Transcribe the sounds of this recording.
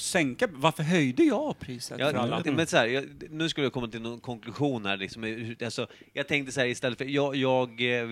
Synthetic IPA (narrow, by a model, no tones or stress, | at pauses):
sɛŋkavaɾfəɾɦœjd̪əjɑpʰɾiːsə̰jʔɑmɛnsahæːɾjɑnʉ̟ːskɵləjakʰɔmːat̪ɪlnɔnkʰɔŋklɵɧuːnhæːɾɭlɪksɔmɛhalsɔjɑːɡ̚t̪ʰɛŋkt̪əsahæːɾɪst̪ɛlːətfœjɑjɑːɡ